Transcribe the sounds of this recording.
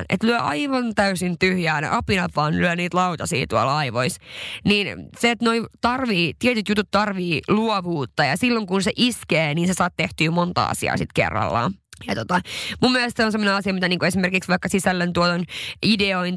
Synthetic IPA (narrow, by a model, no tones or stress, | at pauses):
nḛt̪lyøʔɑiʋɑnt̪æysint̪yhjæːnḛʔɑpinɑtːɑːnlyøniːt̪lɑut̪ɑsḭːt̪uɑlɑiʋoisniːnseːt̪noit̪ɑrʋiːt̪iɛt̪yt̪jut̪ut̪t̪ɑrʋiːluoʋuːt̪ːɑjɑsilːoŋkunseʔiskeːniːnsesɑːt̪t̪eht̪yːmont̪ɑ̰ɑ̰sḭɑ̰ːsit̪kḛrːɑ̰lːɑ̰ːjɑt̪ot̪ɑmumːielest̪seonsemːonenɑsiɑmit̪æniːŋkuesimerkiksʋɑikːɑsisælːent̪uot̪onideoin